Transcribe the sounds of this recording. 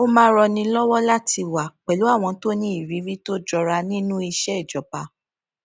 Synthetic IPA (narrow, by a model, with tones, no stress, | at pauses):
o˦mãː˦ɾɔ˧nĩ˧lɔ˦wɔ˦la˦ti˧wa˨k͡pɛ˨lu˨˦a˦˨w̃ɔ̃˧to˦nĩ˦i˦˨ɾi˨˦ɾi˦to˦d͡ʒɔ˧ɾa˧nĩ˦nũ˦i˧ʃɛ˦ɛ˨d͡ʒɔ˨pa˧